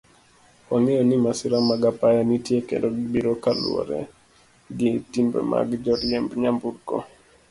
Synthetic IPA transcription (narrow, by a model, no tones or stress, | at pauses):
ɔŋejonimasɪɾamaɡapajanitjekḛndoɡbiɾokalwɔ̰ɾɛ̰ | ɡitimbɛ̰ma̰ɡd͡ʒɔɾjɛmbɲambuɾkɔ̰